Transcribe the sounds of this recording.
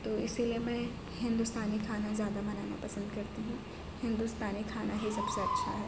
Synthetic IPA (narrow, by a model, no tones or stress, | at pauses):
t̪oːɪsiliemɛ̃ | ɦɪ̃nd̪ʊst̪aːnikʰaːnazjaːd̪amɐnaːna̰pɐsə̃nd̪kɐɾt̪iɦũː | hɪ̃nd̪ust̪aːnikʰaːnaɦisɐbseɐtːʃʰaɦɛː